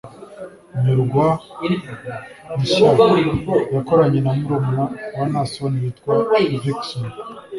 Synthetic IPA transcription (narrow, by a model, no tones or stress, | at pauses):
ɲiɾuɡwa | miso | jakoɾaɲenamuɾomoɾanasoβonijitkwavikson